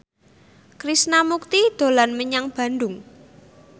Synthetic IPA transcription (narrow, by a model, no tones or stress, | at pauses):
kɾisnamuk̚t̪id̪̥o̤lanməɲaŋb̥a̤nd̪ʊŋ